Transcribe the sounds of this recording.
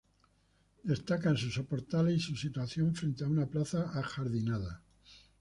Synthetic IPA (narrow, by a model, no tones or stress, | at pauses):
d̪e̞st̪akansusopoɾt̪aleisusit̪waθjo̞ɱfɾe̞nt̪eaunaplaθaaxaɾðinaða